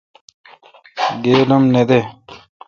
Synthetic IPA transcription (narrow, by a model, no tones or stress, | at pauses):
ɡeːlomned̪e